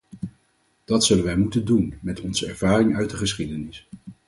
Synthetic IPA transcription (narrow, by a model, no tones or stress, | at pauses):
d̥ɑtsɵlənʋɛjmutəndunmɛtɔnzəɛɹv̥aːrɪŋœɥt̚dəχəsχidənɪs